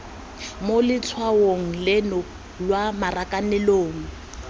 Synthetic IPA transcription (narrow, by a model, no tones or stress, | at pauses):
molɪt͡sʰwawoŋ̩lɛnɔ | lwamarakʼanɛloːŋ̩